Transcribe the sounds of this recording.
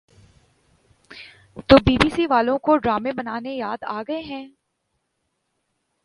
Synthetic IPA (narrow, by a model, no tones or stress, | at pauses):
t̪oːbiːbiːsiʋaːlõkoɖɾaːmẽbɐnaːnejaːd̪aːɡɐeɦɛ̃ː